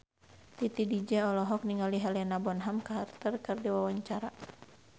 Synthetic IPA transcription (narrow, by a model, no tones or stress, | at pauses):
t̪it̪idid͡ʒɛɔlɔɦɔk̚niŋaliɦalanabɔnɦamkaɦart̪ərkɨrdiwawaɲt͡ʃaɾa